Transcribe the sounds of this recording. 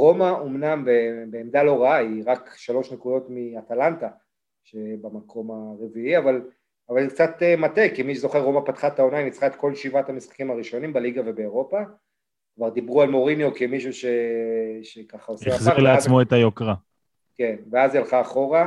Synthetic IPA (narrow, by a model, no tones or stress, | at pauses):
ʁo̞maʔomnambebeːmd̪alo̞ʁaaiʁakʃalo̞ʃnekudo̞tmiat̪alant̪a | ʃe̞bamakʰo̞maʁeviiaval | avalzik̚t͡sat̪emat̪ekimiʃezo̞χeʁːo̞mapat̪χat̪aonaimit͡sχaet̪ko̞lʃivat̪amisχḁkimaʁiʃo̞nimbaliɡave̞be̞ːʁo̞pa | kvaʁd̪ibʁualmo̞ʁinjo̞kemiʃuʃe̞ʃekaχaosiaχziaʁlleazt͡smoet̪ajokʁa | ke̞nveazjalχaːχo̞ʁa